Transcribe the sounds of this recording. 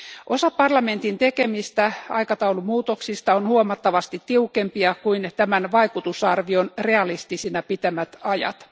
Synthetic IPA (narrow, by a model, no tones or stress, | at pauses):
ʔo̞sɑpɑrlɑme̞nt̪int̪ekemist̪æɑ̰ikɑt̪ɑulumuːt̪oksist̪ɑonhuomɑt̪ːɑʋɑst̪it̪tiukempiɑkuint̪æmænʋɑikut̪usɑrʋionre̞ɑlist̪isinɑpit̪æmæt̪ɑjɑ̰t̪